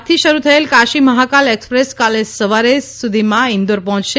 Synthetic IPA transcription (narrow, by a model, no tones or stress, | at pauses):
t̪ʰiʃəɾut̪ʰəelkaʃiməɦakalekspɾeskalesəʋaɾesud̪ʱimãɪ̃nd̪oɾpɔɦɔ̃t͡ʃʃe